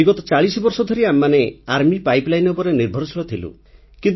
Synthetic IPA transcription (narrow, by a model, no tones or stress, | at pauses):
iɡɔt̪ɔt͡ʃaɭisɔbɔɾsɔd̪ʱɔɾiamːaneaɾmipajplajnupɔɾeniɾbʱɔɾɔsɔɭɔt̪ʰilṵ | kint̪